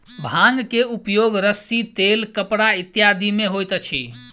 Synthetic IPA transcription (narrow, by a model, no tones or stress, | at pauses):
bʱãŋɡkeupjoɡɾəsːit̪elkəpɽait̪jad̪ʱimeɦojt̪t͡ʃʰḭ